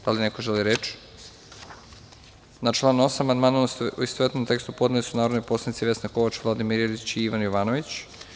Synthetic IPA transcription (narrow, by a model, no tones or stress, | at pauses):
d̪̥alinekoʒeliɾet͡ʃ | nat͡ʃlˠaːnosamand̪manaist̪ʋet̪nomt̪e̞kst̪upo̞d̪nelisunaːɾod̪nojposlˠanit̪siʋe̞snako̞ʋat͡ʃʋlˠad̪imiɾedit͡ɕiiʋanjoʋanoʋit͡ɕ